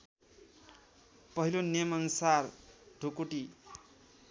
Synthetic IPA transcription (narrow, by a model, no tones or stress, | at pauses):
pʌɦilonemʌnsarɖʱokoʈi